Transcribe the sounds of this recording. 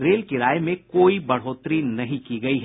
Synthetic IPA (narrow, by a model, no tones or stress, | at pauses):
ɾeːlkɪɾaːjemẽkoːibɐɽ̤ɦoːt̪ɾiːnɐɦĩkiɡɐiɦ